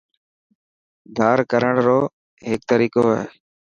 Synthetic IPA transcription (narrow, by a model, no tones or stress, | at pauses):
d̪ʱaːɾkəɾəɳɾoː | ɦeːk̚t̪əɾiːkoːḛː